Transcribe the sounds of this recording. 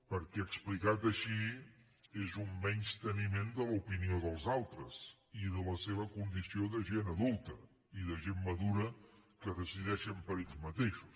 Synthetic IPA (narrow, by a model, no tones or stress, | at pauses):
pəɾkɛəksplikat̪əʃi | ezumːɛɲʲst̪ənimend̪əlupinioðəlˠzalˠt̪ɾəz | iðələseβ̞əkund̪isioðəʒenəðulˠt̪ə | iðəʒemːəðuɾəkəðəsiðɛʃəmpəɾeʎzmət̪eʃu̥s